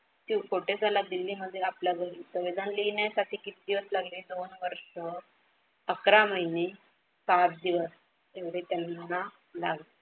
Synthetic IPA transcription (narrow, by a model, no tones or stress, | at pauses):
t̪ikʰoʈed͡zalad̪ilːiməd̪ʱːjeapljaɡʱəɾiːsəʋid̪ʱanlinjasaʈ̪ʰiːkit̪id̪iʋəslaɡliːd̪onʋəɾʂə | əkɾaməɦjni | sat̪̚d̪iʋəs | t̪eʋɽ̤et̪janːa | laɡli